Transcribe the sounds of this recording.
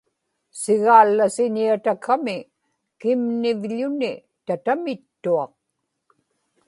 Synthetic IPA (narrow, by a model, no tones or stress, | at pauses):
sɪɣaːlːasɪɲiat̪akʰːamɪ | kɪmnɪvʎʊnɪ | t̪at̪amɪt̪ːuɑq̚